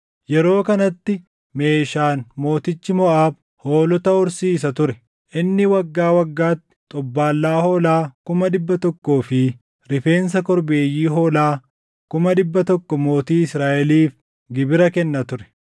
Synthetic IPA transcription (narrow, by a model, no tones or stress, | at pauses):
jɛɾo̞ːkɐnɐt̪ːɪ | me̞ːʃaːnmo̞ːt̪ɪt͡ʃːɪmɔʔaːb̚ | ho̞ːlɔt̪ɐʊɾsiːs̬ɐt̪ʊɾɛ | ʔɪnːɪwɐɡːaːwɐɡːaːt̪ːɪ̥t̪ʼɔbːaːlːaːho̞ːlaːkʊmɐᶑɪbːɐt̪ɔkːo̞ːfɪ | ɾɪfe̞ːns̬ɐkɔɾbeːjːiːɦoːlaː | kʊmɐᶑɪbːɐt̪ɔkːɔmo̞ːt̪iːɪsɾaːʔɛliːf | ɡɪbɪɾɐkɛnːɐt̪ʊɾɛ̥